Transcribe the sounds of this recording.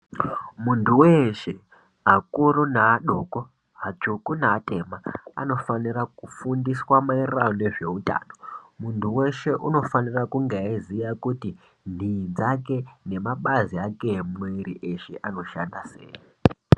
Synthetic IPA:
muntʰuweʃe | ɦakuɾonaːɗoko | ɦat͡ʃukunaːte̞maa̰no̞fanirakufundiswamairrajone̞ʐe̞uta̰ːno̞muntʰuwe̞ʃe̞ʔuno̞fanirakuŋɡeizijakuti | ndʱid͡zake̞ne̞maɓaziakemweɾiʔe̞ʃe̞̰ʔano̞ʃa̰ndasḛːji

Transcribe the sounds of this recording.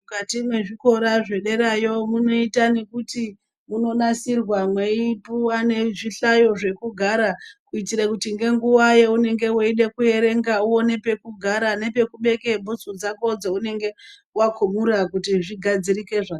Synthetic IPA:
mukatimwe̞ʐiko̞ɾaʐe̞ɗe̞ɾajo̞muno̞itane̞kuti | muno̞nasirwamweipuwane̞ʐiɬajo̞ʐe̞kuɡʱaɾakuitiɾakutiŋɡe̞ŋɡuwajeune̞ŋɡe̞waiɗekue̞ɾe̞ŋɡauwo̞ne̞pe̞kuɡʱaɾane̞pe̞kuɓe̞ke̞bʱusud͡zako̞d͡zeune̞ŋɡe̞ | wakʰumuɾakutiʐiɡʱad͡zirike̞ʐa

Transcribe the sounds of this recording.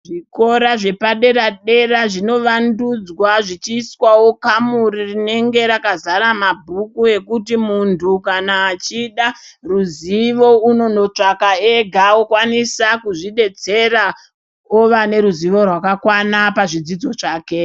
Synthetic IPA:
ʐiko̞ɾaʐe̞paɗe̞ɾaɗe̞raʐino̞ʋandud͡zwaʐit͡ʃiːswawo̞kamuɾirine̞ŋɡe̞ɾakazaɾamabʱukue̞kutimuntʰukanaːt͡ʃiɗaruziʋo̞uno̞no̞t͡ʂakaeɡʱaokwanisakuʐiɗe̞t͡se̞ɾa | oʋane̞ɾuziʋo̞rwakakwanapaʐid͡zid͡zo̞t͡ʂaːke̞

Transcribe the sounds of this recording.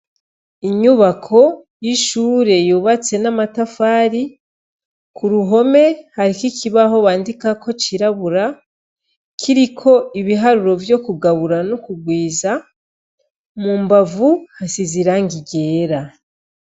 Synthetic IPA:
iɲuβakʰo̞jiʃuːɾe̞juːβat͡se̞namatafaːɾi | kʰuɾuɦo̞me̞haɾikikiβaɦo̞βaːndikakʰo̞t͡ʃiɾaβuɾa | kʰiɾikʰo̞iβiɦaɾuɾo̞vjo̞kuɡaβuɾanokuɡwiːza | mumbavuhasiziɾaŋɡiɟe̞ːɾa

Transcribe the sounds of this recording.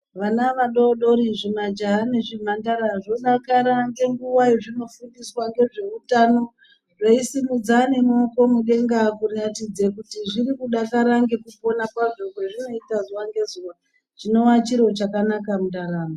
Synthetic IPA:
ʋanaʋaɗoɗo̞ɾiʐimad͡ʒaɦːneʐim̤andaɾaʐo̞ɗakaɾaŋɡe̞ŋɡuwaiʐino̞fundiswaŋɡe̞ʐe̞utano̞ | ʐoisimud͡zane̞moko̞muɗe̞ŋɡakuratid͡zekutiʐiɾikuɗakaɾaŋɡe̞kupo̞nakwaʐo̞kweʐino̞itazuwaŋɡe̞zuwa | t͡ʃino̞wat͡ʃiɾo̞t͡ʃakanakamutaɾaːma

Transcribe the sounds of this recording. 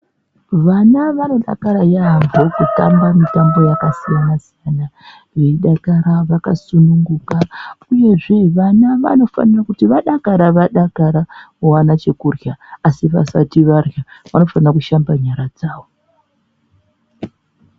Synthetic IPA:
ʋanaʋano̞ɗa̰kaɾajaɦambʱokuta̰mbamitambo̞jakasijanasijana | jeiɗakaɾaʋakasunuŋɡukauje̞ʐe̞ʋanaʋa̰no̞fa̰nirakutiʋaɗakaɾaʋaɗakaɾa | uwanat͡ʃe̞kurjaːsiʋa̰satiʋarjaʋano̞fanirakuʃambaɲaɾad͡zaːwo̞

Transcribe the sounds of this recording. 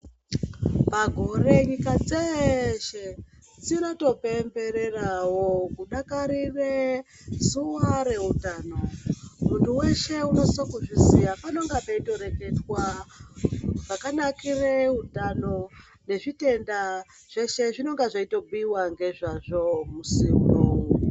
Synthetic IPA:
paɡʱo̞re̞ɲikad͡zeʃe | d͡zino̞to̞pe̞mbe̞ɾe̞rawo̞kuɗakaɾire | zuwaɾe̞utano̞muntʰuwe̞ʃe̞uno̞sisokuʐizijapano̞ŋɡapaito̞ɾe̞ke̞twa | ʐakanakire̞utano̞ | ne̞ʐite̞nda | ʐ̥e̞ʃe̞ʐino̞ŋɡaʐaito̞ɓiwaŋɡe̞ʐaʐo̞musimnou

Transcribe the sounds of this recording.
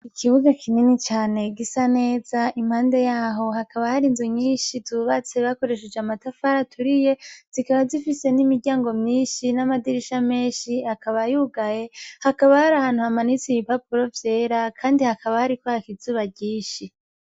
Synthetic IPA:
ikʰiβuɡakʰininit͡ʃaːne̞ɡisane̞ːz̥aim̥haːnde̞jaːɦo̞hakaβahaɾinzoɲiːnʃituβat͡se̞βako̞ɾe̞ʃ̬ed͡ʒamatafaɾatʰuɾije̞z̥ikaβazifise̞nimiɾɟaːŋɡo̞mɲiːnʃinamadiɾiʃame̞ːnʃiakaβajuːɡaje̞hakaβahaɾahaːnhuhamanit͡siβipapuɾo̞vje̞ːɾakʰaːndihakaβahaɾikwaakizuːβaɟiːnʃi

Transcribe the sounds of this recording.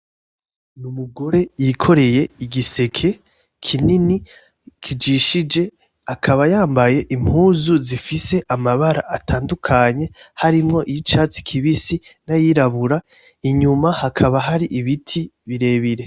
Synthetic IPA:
numuɡo̞ɾe̞jikʰo̞ɾe̞je̞iɟise̞kʰe̞ | kʰinini | kʰid͡ʒiʃid͡ʒe̞ | akʰaβajaːmbaje̞ʔim̥huːzuzifise̞ʔamaβaɾa̰ʔatʰaːndukʰaɲe̞haɾimŋo̞ʔijit͡ʃaːt͡si̥kʰiβisinajiɾaβuɾa | iɲumahakʰaβaɦaɾiʔiβitʰiβiɾe̞βiɾe̞

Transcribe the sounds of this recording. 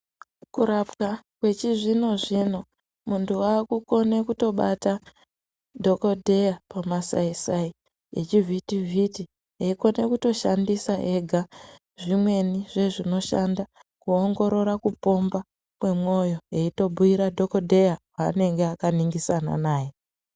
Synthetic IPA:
kuɾapkakwe̞t͡ʃiʐino̞ʐino̞ | muntʰuwaːkuko̞ne̞kuto̞ɓata | dʱo̞ko̞dʱejapamasa̰isai | ḛt͡ʃivʱitivʱiti | ɦeiko̞ne̞kuto̞ʃandisaʔe̞ɡʱa | ʐimwe̞niʐe̞ʐino̞ʃanda | kuo̞ŋɡo̞ɾo̞ɾakupo̞mba | kwe̞mo̞jo̞eito̞bʱuiɾadʱo̞ko̞dʱe̞jawane̞ŋɡeakaniŋɡisana̰naːje

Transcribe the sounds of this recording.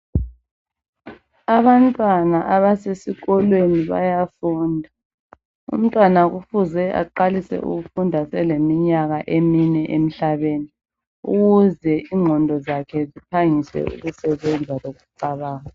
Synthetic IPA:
aβantʼwanaʔaβasesiɣɔlweniβa̰jafuːndʱa | ṵm̩tʼwanaɣufuzɛʔa̰ǃalisɛ̰ʔṵɣufundʱasɛlemiɲaɣaʔeminɛʔem̩ɬaβeːni | ṵɣuzɛʔiŋŋ͡ǃʱɔndʱɔzakʰɛzipʰaŋisɛ̰ṵɣusɛβɛnd͡zʱaloɣuǀaβaːɣa

